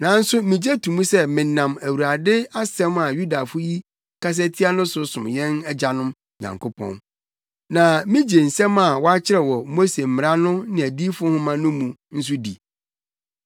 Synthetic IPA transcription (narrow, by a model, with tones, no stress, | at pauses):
nã˨n̩˦sʊ˦mĩ˨d͡ʑɛ˦tʰũ˨mũ˦sɛ˦mɪ̃˨˦nã˨mæ˨wu˨ɾa˨dɪ˦a˦sɛ̃˦ma˨ju˦da˨fʊ˦ji˦ | kʰa˦s̬ɛ˦tʰi˦a˦nʊ̃˦sʊ˨˦sʊ̃˨m˨jɛ̃˦nɛ˦d͡ʑa˨nʊ̃˦m | ɲã̰˨ŋkʰo˦pʰɔ̰̃˦n | nã˨mĩ˦d͡ʑe˨n̩˨sɛ̃˦ma˨wɔ˦a˦t͡ɕʰɪ˦ɾɛ˨wɔ˨mo˦se˨m̩˨mɪ̃˨ɾa˦nʊ̃˦nɪ̃˨æ˨di˦fʊ˦hʊ̃˦mã˦nʊ̃˦mũ˨n̩˦s̬ʊ˦dḭ˨